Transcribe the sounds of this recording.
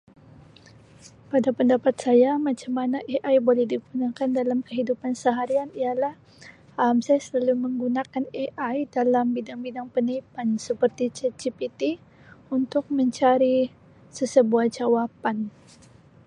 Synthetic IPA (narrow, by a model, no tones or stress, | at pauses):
padapəndapat̪sajamat͡ʃamːanaʔeʔajbolɛhdiɡunakandalamkəɦidupansəɦaɾianialah | amsajasəlaluməŋɡunakaneʔajdalambidaŋbidaŋpənaipansəpərt̪it͡ʃed͡ʒipit̪i | unt̪ʊk̚məɲt͡ʃaɾi | səsəbuahd͡ʒawapan